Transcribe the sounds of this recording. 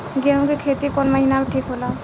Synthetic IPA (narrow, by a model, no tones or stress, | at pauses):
ɡeɦũkekʰet̪ikɔnməɦinameʈʰikɦola